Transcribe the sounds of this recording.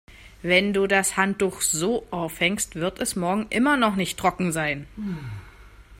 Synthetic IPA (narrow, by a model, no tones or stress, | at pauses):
vɛnduːdashant̚d̥uːxz̥oːʔaʊfhɛŋstv̥ɪɐtɛsmɔɐɡŋ̩ʔɪmɐnɔχnɪçtʰːʁ̥ɔkŋ̩zaɪn